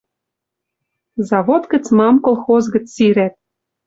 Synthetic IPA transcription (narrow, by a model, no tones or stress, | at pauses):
zɑβot̪kə̆t͡smɑmkolˠxozɣə̆t͡ssiɾæt̪̚